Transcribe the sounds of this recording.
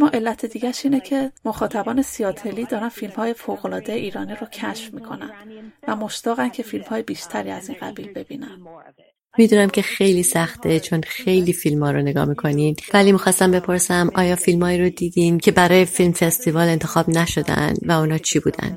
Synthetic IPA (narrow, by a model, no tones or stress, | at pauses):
mɒːʔe̞lːæt̪ʰed̪iːɟæʃiːnecʰe̞moxɒːt̪ʰæbɒːnesijɒːt̪ʰe̞liːd̪ɒːɾænfilmhɒːje̞foɣolɒːd̪ejeʔiːɾɒːniːɾocʰæʃfmiːkʰo̞næ̰n̥væmo̞ʃt̪ɒːɣæncʰe̞filmhɒːjebiːʃt̪ʰæɾiːæziːnɢæbiːlbe̞bḭːnæn | mid̪uːnæmcʰe̞xe̞jliːsæxt̪ʰet͡ʃʰonxe̞jliːfilmhɒːɾone̞ɡɒ̰ːhmiːkʰo̞ninvæliːmiːxɒːst̪æmbe̞pʰo̞ɾsæmʔɒːjɒːfilmhɒːiːɾod̪iːd̪incʰe̞bæɾɒːjefilmfe̞st̪ivɒːle̞nt̪ʰe̞xɒːb̥næʃod̪æ̰nd̪væunhɒːt͡ʃʰiːbuːd̪æ̰nd̪